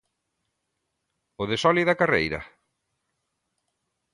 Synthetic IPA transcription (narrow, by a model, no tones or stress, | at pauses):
ʊðesɔliðɐkarḛjɾɐ̰